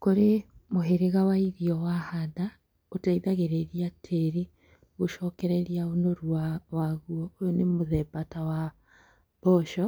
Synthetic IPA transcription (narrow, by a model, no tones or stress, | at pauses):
koɾemoɦeɾeɣawaiɾiɔwahada | otaiðaɣeɾeɾiatʰeɾi | ɣoʃɔːkɛɾɛɾiaonoɾwawaɣuɔojonemoðɛbatawa | b̥ɔʃɔ